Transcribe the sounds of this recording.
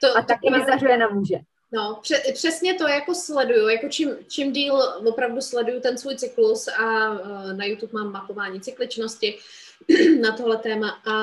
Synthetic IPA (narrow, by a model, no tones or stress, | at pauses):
t̪oat̪ak̚ɛɪzdarujɛnamuʒɛ | no̞pr̝̥ɛpr̥ɛsɲɛt̪o̞jako̞slɛdujujako̞t͡ʃɪmt͡ʃɪmdiːlvo̞pɾavduslɛdujut̪ɛnsvuːjt͡sɪklusanajut̪upmaːmːapo̞vaːɲiːt͡sɪklɪt͡ʃno̞scɪ | nat̪oɦlɛt̪ɛːmaʔa